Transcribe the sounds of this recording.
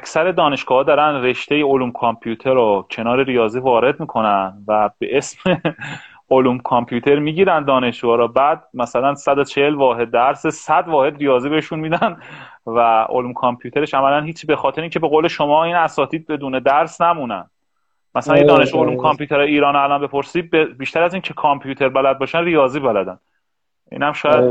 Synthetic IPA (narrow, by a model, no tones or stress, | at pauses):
æcʰsæɾe̞d̪ɒːne̞ʃɡ̥ɒːhːd̪ɒːɾænre̞ʃt̪e̞jeoluːmkʰompʰjuːt̪ʰeɾocʰe̞nɒːɾeɾijɒːziːvɒːɾe̞d̪̚miːkʰo̞nænvæbe̞ʔesme | oluːmkʰompʰjuːt̪ʰe̞ɾmiːɟiːɾænd̪ɒːneʃd͡ʒuɒːɾɔbæd̪̚mæsælænsæd̪ot͡ʃʰehelvɒːɦe̞d̪̚ːæɾsesæd̪vɒːhe̞d̪rijɒːziːbeheʃunmiːd̪æn | væʔo̰luːmkʰompʰjuːt̪ʰe̞ɾeʃæmælænhiːt͡ʃʰibe̞xɒːt̪ʰeɾeincʰe̞be̞ɣowle̞ʃomɒːiːnæsɒːt̪ʰiːd̪̚be̞d̪uːne̞d̪æɾsnæmunæ̰nd̪ | mæsælænjed̪ɒːneʃuoluːmkʰompʰjuːt̪ʰeɾɒjeiːɾɒːnælɒnbe̞pʰo̞ɾsiːd̪̚bebiːʃt̪æɾæziːncʰe̞kʰɒmpʰjuːt̪ʰe̞ɾbælæd̪̚bɒːʃænrijɒːziːbælæd̪æn | ʔḭːnhæmʃɒːjæd̪